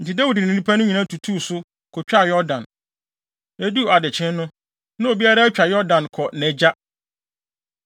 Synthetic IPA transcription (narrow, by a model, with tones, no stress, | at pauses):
n̩˨tɪ˨da˦wu˨dɪ˨n˨ĩ˨nĩ˦pʰæ˦nʊ̃˦ɲi˨nã˦tʰu˨tʰuː˦˨sʊ˦ | kʰʊ˨t͡ɕᶣa˦˨jɔ˦dã˨n | e˦du˦˨a˨dɪ˨t͡ɕʰɪ̃˦n˦nʊ̃˦ | nã˦o˨bi˦a˦ɾa˦t͡ɕᶣa˨jɔ˦dã˨nkʰɔ˨nɛ̃˨d͡ʑa˦